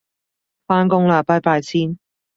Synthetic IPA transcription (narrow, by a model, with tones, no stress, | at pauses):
faː˥nkʊ˥ŋlaː˨˩paː˥paː˧jt͡sʰiː˥n